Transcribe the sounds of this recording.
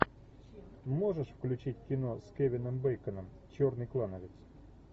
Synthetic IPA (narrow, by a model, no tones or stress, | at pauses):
moʐəʂfklʲʉt͡ɕitʲkʲɪnoskʲevʲɪnəmbɛjkənəm | t͡ɕornɨjklˠanəvʲɪt̪s